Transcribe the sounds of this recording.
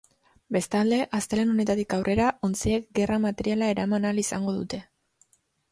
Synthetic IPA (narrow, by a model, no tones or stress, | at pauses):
be̞st̪ald̪e̞ʔast̪eleno̞ne̞t̪at̪ikawrʔe̞ɾaʔo̞nt͡siek̚ɡe̞ramat̪e̞ɾialae̞ɾamanalisaŋɡo̞ðut̪e̞